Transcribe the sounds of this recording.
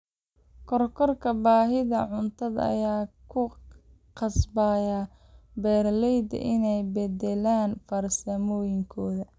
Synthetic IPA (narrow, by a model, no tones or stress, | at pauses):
kʰɔrkʰɔrkʰɐbaːɦɪðɐʕʊnt̪ʰɐðɐ̰jaːkʰʊ | qɑsbaːja | bɛːrlɛjd̪ɐ̰ʔɪnɛjbɛd̪ɛlaːnfɐrsɐmɔːjɪŋkʰɔːðɐ